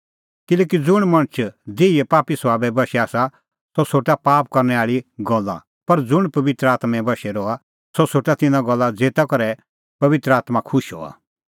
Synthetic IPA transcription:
kɪlɛːkid͡zʊɽ̃mɐ̃ɽ̃ət͡ʃʰd͡zeːiɛpaːpisʋaːbɛbɐʃɛaːsa | sɔsoːʈapaːpkɐɾnɛaːɭiɡɔlːã̰ | pɐɾd͡zʊɽ̃pɐʋɪt̪ɾəaːt̪mɛ̃bɐʃɛɾɔa | sosoːʈat̪ɪ̃nãɡɔlːad͡zeːt̪akɔɾɛ | pɐʋɪt̪ɾəaːt̪makʰʊʃɦɔ̰ːa̰

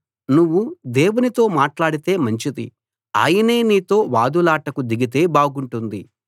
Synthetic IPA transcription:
nuʋːud̪e̞ːwunit̪o̞ːmaːʈlaːɽit̪e̞ːmɐɲt͡ʃid̪ḭ | a̰ːjɐne̞ːniːt̪o̞ːʋaːd̪ulaːʈɐkud̪iɡit̪̬e̞ːbaːɡuɳʈund̪i

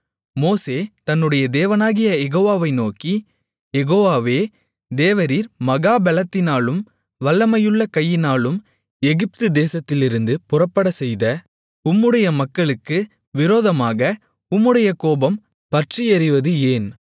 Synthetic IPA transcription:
moːseːt̪ɐnːɯɽɐjɐd̪eːʋɐnaːɣɪjɐjɛɣoːʋaːʋɐɪnoːki | jɛɣoːʋaːʋeː | d̪eːʋɐɾiːɾmɐɣaːbɛlɐt̪ːɪnaːɭɯm | ʋɐlːɐmɐjɯɭːɐkɐjːɪnaːɭɯm | ɛɣɪp̚t̪ɯd̪eːsɐt̪ːɪlɪɾɯnd̪ɯpʊrɐpːɐɽɐsɛjðɐ | ʊmːɯɽɐjɐmɐkːɐɭɯkːɯ | ʋɪɾoːðɐmaːɣɐ | ʊmːɯɽɐjɐkoːbɐm | pɐʈrijɐɾɪʋɐðɯeːn

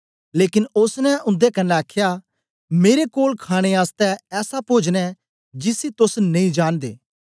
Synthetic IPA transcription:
leːkɪnʊsnɛʊ̃nd̪ekɐnːɛ̃aːkʰːja | meːɾekoːlkʰaːɽ̃eaːst̪ɛɛːsapoːd͡ʒñɛ | d͡ʒɪsit̪ʊsnɐ̃ĩd͡ʒaːnd̪ḛː

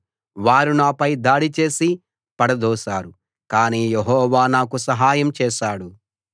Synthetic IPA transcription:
ʋaːɾunaːpɐjd̪aːɽit͡ʃe̞ːsi | pɐɽɐd̪ɔːʃaːɾu | kaːniːjeɦɔːʋaːnaːkusɐɦaːjɐmt͡ʃɛːʃaːɽu

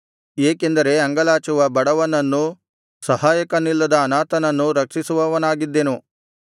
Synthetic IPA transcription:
eːke̞nd̪ɐɾe̞ɐŋɡɐlaːt͡ʃuʋɐbɐɽɐʋɐnɐnːu | sɐɦaːjɐkɐnːilːɐd̪ɐːnaːt̪ɐnɐnːuɾɐkʂisuʋɐʋɐnaːɡid̪ːe̞nu

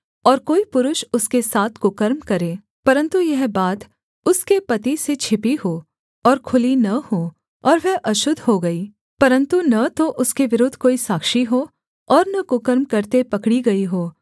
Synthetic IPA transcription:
ɔːɾkoːipʊɾʊʃʊskesaːt̪ʰkʊkɐɾmkɐɾẽː | pɐɾə̃nt̪ujɛɦbaːt̪ | ʊskepɐt̪iset͡ʃʰɪpiɦoː | ɔːɾkʰʊlinɐhoː | ɔːɾʋɛɦʔɐʃʊd̪ʱɦoɡɐiː | pɐɾə̃nt̪unɐt̪oʔʊskeʋɪɾʊd̪ʱkoːisaːkʃiɦo | ɔːɾnɐkʊkəɾmkɐɾt̪epɐkɽiɡɐiɦoː

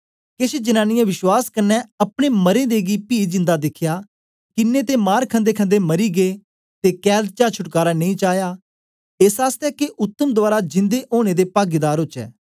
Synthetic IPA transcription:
kesed͡ʒənãːnɪjãʋɪʃwaːskənːɛːəpɽ̃eːməɾẽːd̪eːɡiːpiːd͡ʒɪ̃nd̪aːd̪ɪkʰjaː | kɪnːeːt̪eːmaːɾkʰə̃nd̪eːkʰə̃nd̪eːməɾiːɡeː | t̪eːkɛːd̪̚t͡ʃaːt͡ʃʰʊʈkaːɾaːnə̃ĩːt͡ʃaːjaː | eːsaːst̪ɛːkeʔʊt̪ːəmd̪ʊʋaːɾaːd͡ʒɪ̃nd̪eːʔoːɽ̃eːd̪eːpaːɡid̪aːɾɦʊt͡ʃɛ̰ː

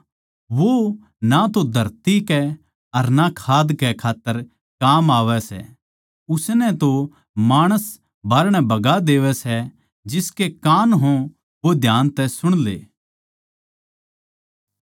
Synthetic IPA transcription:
ʋo | nat̪od̪ʱɐɾt̪ikɛ | ɐɾnakʰaːd̪kɛkʰaːt̪ːəɾ | kaːmaːʋɛsɛ̰ | ʊsnɛ̃t̪o | maːɽ̃əs | baːɾəɽ̃ɛbɐɡad̪eːʋɛsɛ | d͡ʒɪskekaːnɦõ | ʋod̪ʱjaːnt̪ɛsʊɽ̃lḛː

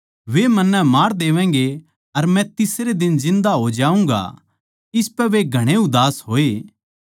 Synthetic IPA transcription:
ʋemɐnːɛmaːɾd̪eːʋɛ̃ːɡe | ɐɾmɛ̃t̪ɪsɾed̪ɪnzɪ̃nd̪aɦod͡ʒaːũːŋɡa̰ | ɪspɛʋeɡʱɐɽ̃eʊd̪aːsɦoːeː

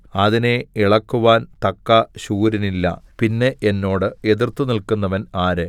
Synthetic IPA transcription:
ɐðineiɭɐkːuʋaːnt̪ɐkːɐɕuːɾinilːɐ̰pinːe̞ʔenːo̞ːɽɨe̞ðirt̪ːunilkunːɐʋɐnaːɾɨ

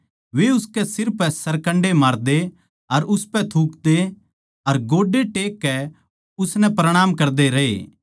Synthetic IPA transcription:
ʋeʊskɛsɪɾpɛsɐɾkɐ̃ɳɖemaːɾd̪e | ɐɾʊspɛt̪ʰuːkd̪e | ɐɾɡoːɖeʈeːkːɛ | ʊsnɛ̃pɾɐɽ̃aːmkɐɾd̪eɾɐɦḛː

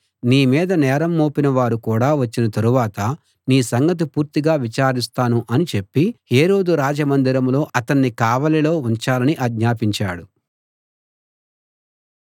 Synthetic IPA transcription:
niːmiːd̪ɐnɛːɾɐmːoːpinɐʋaːɾukuːɽaːʋɐt͡ʃːinɐt̪ɐɾuʋaːt̪ɐ | niːsɐŋɡɐt̪̬ipuːɾt̪iɡaːʋit͡ʃaːɾist̪aːnuʔɐnit͡ʃe̞pːiheːɾo̞ːd̪uɾaːd͡ʒɐmɐnd̪iɾɐmlo̞ːʔɐt̪ɐnːikaːʋɐlɐlo̞ːuɲt͡ʃaːlɐniʔɐɡɲaːpiɲt͡ʃaːɽu

